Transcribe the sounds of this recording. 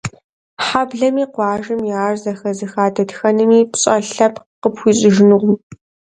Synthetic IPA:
ħabɮɐmiːqʷɑːʒɨmjɪaːrzɐxɐzɨxaːdʰɐtxɐnɨmiːpɕʼɐɬɐp | qəpxʷiːɕʼɪʒɪnɨʁʷʊm

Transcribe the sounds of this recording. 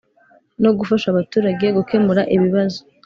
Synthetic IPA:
no̞ɡufaʃaβatuːɾaɟe̞ɡuke̞muɾaʔiβiβazo

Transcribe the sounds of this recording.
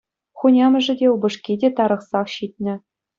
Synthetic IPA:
χunʲɑmɘ̆ʐɘ̆dʲeubɤ̆ʂkʲidʲet̪ɑɾɤ̆χsɑχɕit̪ʲnʲɘ̆

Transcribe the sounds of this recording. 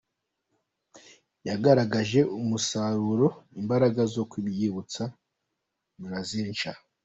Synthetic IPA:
jaɡaɾaɡaʒe̞ʔumusaɾuɾo̞imbaɾaɡazo̞kuβjiβut͡sa | muɾazint͡ʃa

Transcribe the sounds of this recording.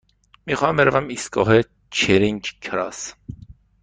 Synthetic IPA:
miːxɑːæmbeɾævæmist̪ɡɒ̰ːɦe | t͡ʃʰeɾiŋkkʰɾɑ̰s

